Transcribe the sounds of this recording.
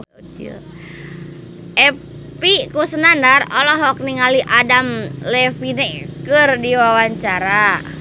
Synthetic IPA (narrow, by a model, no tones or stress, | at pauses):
ʔɛ | pikusənandarɔlɔɦɔk̚niŋaliʔadamlɛfinɛkɨrdiwawaɲt͡ʃaɾa